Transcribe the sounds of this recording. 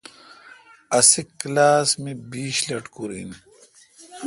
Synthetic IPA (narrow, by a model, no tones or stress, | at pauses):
ɐsikːlaːsmibiːɕlɐʈkuɾḭn